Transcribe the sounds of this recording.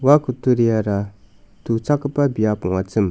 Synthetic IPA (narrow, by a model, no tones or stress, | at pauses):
wakut̪uɾijaɾa | t̪ut͡sʰakəpabijapoŋwat͡səm